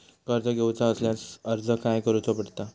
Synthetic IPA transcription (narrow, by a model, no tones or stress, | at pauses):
kəɾt̪əɡʱewt͡saəsljat͡səɾd͡zʱəkajkəɾut͡səpəɽt̪a